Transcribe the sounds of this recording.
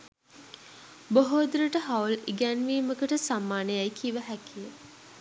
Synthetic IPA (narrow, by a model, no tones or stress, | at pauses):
boɦoːd̪uɾəʈəɦauliɡænʋiːməkəʈəsamːaːnəjajkʰiʋəɦækʰijə